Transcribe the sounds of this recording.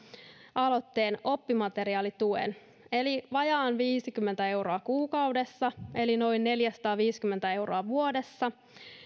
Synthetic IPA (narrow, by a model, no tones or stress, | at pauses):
ɑlo̞t̪ːe̞ːno̞pːimɑt̪e̞ɾiɑːlit̪uḛn | e̞liʋɑjɑːnʋiːsikymːent̪æe̞wro̞ɑkuːkɑwde̞sːɑe̞lino̞jnːe̞ljæsɑ̥t̪ɑːʋiːskymːent̪æe̞wroɑʋuo̞de̞sːɑ